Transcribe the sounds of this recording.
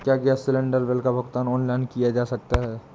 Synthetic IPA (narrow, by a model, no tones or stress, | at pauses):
kjaːɡɪasɪlə̃ɳɖəɾʋelkabʱɐɡt̪aːnɔːnlaɪnkijad͡ʒaːsɐk̚t̪aɦɛː